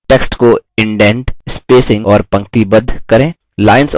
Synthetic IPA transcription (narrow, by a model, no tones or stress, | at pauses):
ʈeksʈkoɪ̃ɳɖɛ̃ɳʈɪspeːsɪ̃ŋɔːɾpɐ̃ŋk̚t̪ibɐd̪ʱkɐɾẽː | laːɪns